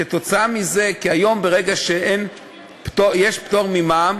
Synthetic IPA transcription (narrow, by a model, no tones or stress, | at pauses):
et̪o̞t͡saamize̞kiajo̞mbeʁeɡaʃeʔen | ptojeʃpt̪o̞ʁmimam